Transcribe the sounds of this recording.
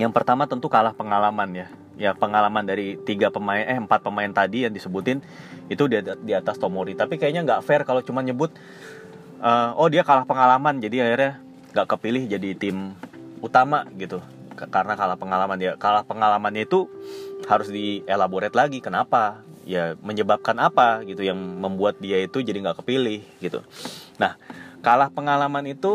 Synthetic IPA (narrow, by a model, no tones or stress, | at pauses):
jaŋpərt̪amat̪ənt̪ukalahpəŋalamanja | japəŋalamandaɾit̪iɡapəmaɪnɛhəmpat̪̚pəmaɪnt̪adijaŋdisəbut̪ɪn | it̪udiat̪ast̪omoɾit̪apikajaɲaŋɡaʔfɛrkalot͡ʃumanɲəbʊt̪̚ | ʔəːɔhdiakalahpəŋalamand͡ʒadiahɪrɲa | ŋɡaʔkəpilɪhd͡ʒadit̪ɪm | ut̪amaɡit̪u | kaɾənakalahpəŋalamanjakalahpəŋalamanɲait̪uhaɾʊsdielaboɾɛt̪laɡikənapajaməɲəbap̚kanapaɡit̪ujaŋməmbuat̪̚diait̪ud͡ʒadiŋɡaʔkə̥pilɪhɡit̪ṵnahkalahpəŋalamanit̪u